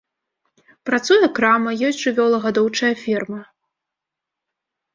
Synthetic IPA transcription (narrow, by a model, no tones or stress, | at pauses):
pɾat̪sujɐkɾamɐjɔsʲtʲʐɨvʲɔlˠɐɣad̪ɔwt͡ʂɐjɐfʲɛrmɐ